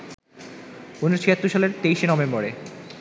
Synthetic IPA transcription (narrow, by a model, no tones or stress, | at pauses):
unɾot͡ɕʰiat̪ːɾuʃaleɾt̪ejʃenɔbembɔɾe